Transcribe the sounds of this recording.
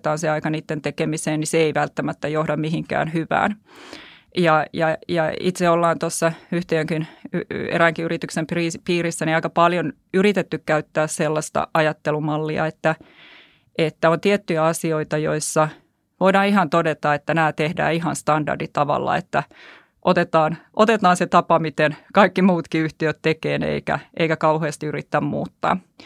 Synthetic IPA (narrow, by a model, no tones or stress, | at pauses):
t̪ɑːnseɑikɑniːt̪ːent̪ekemiseːnniseeiʋælt̪ːæmæt̪ːæjohdɑmmihiŋkæ̰ːnhyʋæ̰ːn | jɑjɑjɑḭt̪seolːɑːnt̪osːɑyht̪eːŋkinyḛɾæŋkiyrit̪yksempriːpiːrisːæniɑikɑpɑljon | yrit̪et̪ːykkæyt̪ːæːsselːɑst̪ɑ̰ʔɑjɑt̪ːelumɑlːiɑ̰et̪ːæ | ʔet̪ːæont̪iet̪ːyjæɑsioit̪ɑjo̰isːɑ | ʋoidɑːihɑnt̪odet̪ɑet̪ːænæːt̪ehdæ̰ːiɦɑnst̪ɑndɑ̰rdit̪ɑʋɑ̰lːɑ̰ḛt̪ːæ | ʔot̪et̪ɑːnʔot̪et̪ɑːnset̪ɑpɑmit̪enkɑikːimuːt̪kiyht̪iøt̪tekeːnḛikæ̰ʔḛikækɑuheːst̪iyrit̪ːæmmṵːt̪ːɑ̰ː